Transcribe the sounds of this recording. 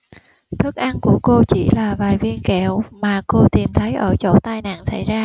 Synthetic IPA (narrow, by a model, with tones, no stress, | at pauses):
t̪ʰɨ˦˥k̚ʔa˧nku˧˩əko˧t͡ɕi˧˩laː˨˩vaː˨˩jvi˧ənkɛ˧˩˨wmaː˨˩ko˧t̪i˨˩mt̪ʰə˨˦jʔəː˧˩t͡ɕo̰˧˩t̪aː˧jna̰ː˧˨nsa̰˧˩jzaː˧